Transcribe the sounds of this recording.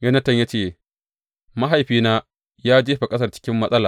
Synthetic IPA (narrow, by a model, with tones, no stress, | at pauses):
jɐ˦nɐ˦tɐ˦˨ɲja˦t͡ʃeː˦˨ | mɐ˦ɦa˨jɸiː˦naː˦ | jaː˦d͡ʒeː˦ɸa˨kʼɐ˦s̬ɐ˦rt͡ʃɪ̥˦kʲɪ˦mːɐ˦sʼɐ˦laː˨